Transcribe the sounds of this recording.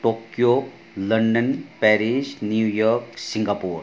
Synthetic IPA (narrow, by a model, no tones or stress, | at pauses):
ʈokjo | ləɳɖənpɛɾid͡ʒnjujɔɾksiŋɡapuːɾ